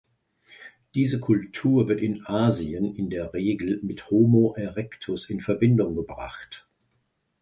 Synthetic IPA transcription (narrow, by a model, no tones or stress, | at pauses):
d̥iːzəkʰʊltʰuːɐvɪɐtɪnʔaːziənɪndeːɐʁeːɡl̩mɪthomoʔɛʁɛktʰʊsɪnfɛɐbɪndʊŋɡəbʁa̰χt